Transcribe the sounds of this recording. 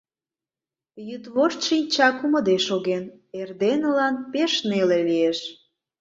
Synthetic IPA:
jyt̪βoʃt̪ʃinʲt͡ɕɑkuməd̪eʃoɣen | erd̪enəlɑnpeʃnelelieʃ

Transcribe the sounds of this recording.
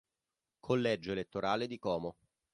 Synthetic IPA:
kʰolːɛd͡ʒoelet̪ːoɾaːled̪ikɔːmo

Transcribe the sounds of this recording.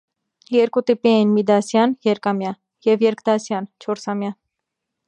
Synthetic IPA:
jɛɾkut̪ipiɛjinmid̪ɑsjɑnjɛɾkɑmjɑ | jɛvjɛɾkd̪ɑsjɑnt͡ʃʰɔɾsɑmjɑ

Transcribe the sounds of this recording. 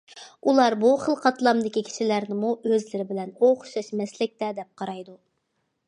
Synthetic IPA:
ulˠɑɾbuχəlˠqʰɑt̪lˠɑmd̪ɪkʲikʲʰi̥ʃilæɾnɪmuʔøzlɪɾɪbɪlɛnoχʊ̥ʃɑʃmɛslɪk̚ʲt̪ɛd̪ɛp̚qʰɑɾɑjd̪u

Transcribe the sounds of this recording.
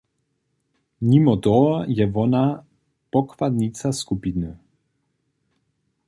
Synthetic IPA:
nimɔt̪ɔjɛvɔna | pɔkvad̪nit̪saskupinə

